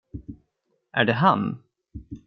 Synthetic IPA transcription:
ʔæɖɛɦa̰n

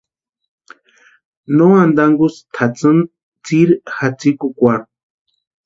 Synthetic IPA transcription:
noand̪aŋɡust̪ʰat͡sɨn | t͡siɾxat͡sikukʷa

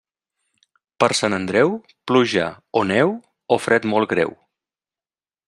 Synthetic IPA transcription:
pəɾsanənd̪ɾɛw | pluʒa̰ | onɛw | ofɾɛt̪mɔlˠɡɾɛ̰w

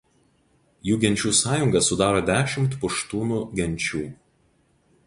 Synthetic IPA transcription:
juːɡʲɛnʲt͡ʃʲuːsɑːjʊŋɡɐsʊd̪ɑːɾoːd̪ʲæːʃʲɪmt̪pʊʃt̪uːnuɡʲɛnʲt͡ʃʲuː

